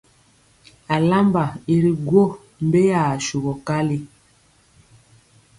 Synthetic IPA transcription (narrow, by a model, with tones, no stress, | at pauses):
a˨la˦mba˨i˨ɾi˨ɡwo˦ | m̩˨˦be˦ja˨ʃu˨ɣɔ˨ka˦li˦